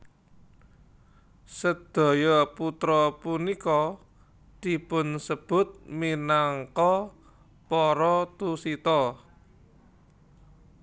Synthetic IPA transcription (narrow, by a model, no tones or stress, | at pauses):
səd̪̥ɔ̤jɔput̪ɾɔpunikɔ | d̪̥i̤pʊnsəb̥ʊ̤t̪̚minaŋkɔ | pɔɾɔt̪usit̪ɔ